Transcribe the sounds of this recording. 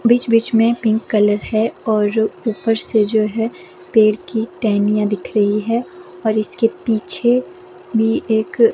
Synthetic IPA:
bit͡ʃbit͡ʃmẽpɪ̃ŋkːɐləɾɦɛɔːɾuːpəɾsed͡ʒoːɦɛ | peːɽkiʈɛːnijãd̪ɪkʰɾɐɦiɦɛɔːɾɪskepiːt͡ʃʰe | bʱieːk

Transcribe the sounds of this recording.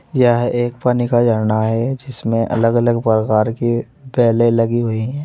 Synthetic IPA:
jəɦeːkpaːnikad͡ʒəɾnaɦɛd͡ʒɪsmẽʔɐ̰ləɡələɡpɾəkaːɾki | bɛːlelɐɡiɦoiɦɛ̃ː

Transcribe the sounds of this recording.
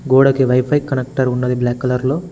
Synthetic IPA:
ɡoːɽɐkiʋɐjpʰɐjkːɐnek̚ʈɐɾunːɐd̪iblaːkːɐlɐɾlo̞ː

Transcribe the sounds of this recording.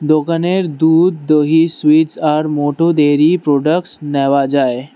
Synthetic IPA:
d̪okaneɾd̪uːd̪ːəɦiːsʋiːsaɾmoʈʰod̪eɾipɾoɖəkʈsnɛʋad͡zae

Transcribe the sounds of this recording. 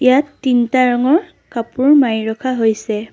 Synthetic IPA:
jatːintaɹɔŋɔɹ | kapʊɹmajɹɔkʰaɦojsɛ

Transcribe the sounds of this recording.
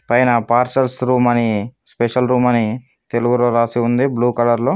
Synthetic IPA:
pɐjnɐpaːɾsɐlsɾuːmɐnispeʂɐlɾuːmɐni | t̪eluɡuɾoːɾaːsiund̪ibluːkɐlɐɾloː

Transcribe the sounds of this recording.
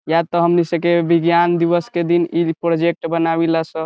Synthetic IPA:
jat̪ɔɦəmnisəkebiɡjand̪iʋəsked̪inipɾod͡ʒek̚ʈbənabilasə̃

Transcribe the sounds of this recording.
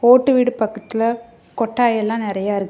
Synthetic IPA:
oːʈːɯʋiːɽɯpɐkːɐt̪ːɪlɐ | kɔʈːaːjɛlːãːnɪɾɐjaːɪɾɯkː

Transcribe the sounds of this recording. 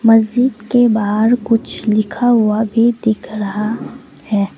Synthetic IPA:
mɐzd͡ʒɪd̪kebaːɦɾkʊt͡ʃʰlɪkʰaɦʊabʱid̪ɪkʰɾɐɦa | hɛː

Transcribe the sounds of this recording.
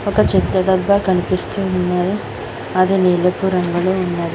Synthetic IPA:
ɔkɐt͡ʃit̪ːɐd̪ɐbːɐkɐnipist̪eːunːaːɾi | ɐd̪iniːlepuːɾɐŋɡɐluunːaːɾi

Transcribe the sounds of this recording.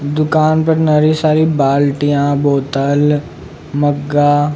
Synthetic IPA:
d̪ʊkaːnpɐɾnɐɾisaːɾibaːlʈijãboːt̪əl | mɐɡːaː

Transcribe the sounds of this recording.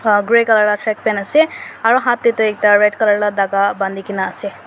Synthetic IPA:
ɡɹekələɹlaʈʰɹɛk̚pɛnasɛaɹuɦãt̪ːit̪uɛk̚taɹedkələɹladaɡaband̪ikinaːsɛ

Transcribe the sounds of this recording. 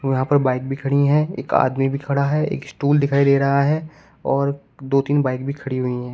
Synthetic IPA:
jɐɦãpɐɾbaːɪk̚bʱikʰɐɽiɦɛ̃ḛːka̰ːd̪mibʱikʰɐɽaɦɛḛːksʈuːld̪ɪkʰaːed̪eːɾɐɦaɦɛː | ɔːɾ | d̪oːt̪iːnbaːɪk̚bʱikʰɐɽiɦʊiɦɛ̃ː

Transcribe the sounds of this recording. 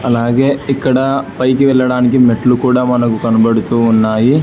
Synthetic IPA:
ɐlaːɡe̞ːikːɐɽɐpɐjkiʋɛɭːɐɽaːnik̬imeʈːlukuːɽaːmɐnɐkukɐnɐbɐɽut̪uːnːaːji

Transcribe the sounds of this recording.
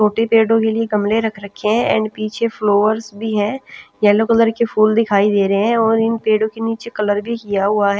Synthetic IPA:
t͡ʃoːʈepeːɖõkelieɡɐmleɾɐkʰɾɐkʰːeɦɛ̃ʔɛ̰̃ːɳɖpiːt͡ʃʰefloːʋəɾsbʱiɦɛ̃ːjɛːlokɐləɾkefʰuːld̪ɪkʰaːid̪eːɾɦeɦɛ̃ɔːɾɪnpeːɖõkeniːt͡ʃekɐləɾbʱikijaɦʊaɦɛː

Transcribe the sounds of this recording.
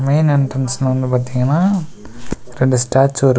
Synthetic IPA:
meɪnɛɳʈɐnsnɐʋɐnd̪ɯpaːɾt̪iːŋɡɐnːaː | ɾɛɳɖɯsʈaːɾt͡ʃːʋɐɾ

